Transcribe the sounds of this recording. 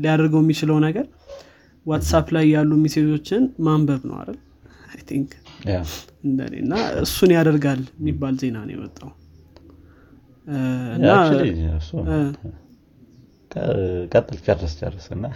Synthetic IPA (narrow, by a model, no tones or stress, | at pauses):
lijad̪əɾɡəwjɛmːit͡ʃɪləwnəɡəɾ | wat̪saplajːalːumise̞t̪ʰo̞t͡ʃːɪnmambəβnə̰wa̰ɾəl | ajt̪ʰiŋk | ɨnd̪ə̰nḛɨ̰nːaɨsːunjad̪əɾɡalmːibːalze̞nawnjɛ̰mə̰t̪ʼːaw | ɨnːaso | kʼʰəkʼət̪ʼːɨlt͡ʃʼərəst͡ʃʼə̰rːəsɨnːa